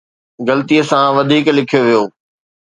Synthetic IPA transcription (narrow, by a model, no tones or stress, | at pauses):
ɡɐlət̪ijəsãʋɐd̪ʱiːklɪkʰijoʋijoː